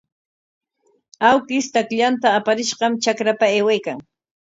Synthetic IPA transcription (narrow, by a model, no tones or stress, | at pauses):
awkɪst̪akʎant̪aːpaɾɪʃɢɑmt͡ʃakɾapaeːwajkaŋ